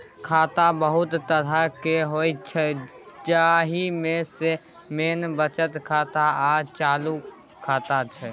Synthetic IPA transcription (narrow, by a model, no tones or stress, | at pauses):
kʰaːt̪abəɦʊt̪ːəɾakeɦoit͡ʃʰɛ | d͡ʒaɦimẽse | meːnbət͡ʃət̪kʰaːt̪aat͡ʃaːlu | kʰaːt̪at͡ʃʰɛ